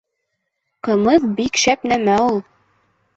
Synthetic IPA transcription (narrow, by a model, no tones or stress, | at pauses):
qɤ̆mɤðbikʃæpnæmæulˠ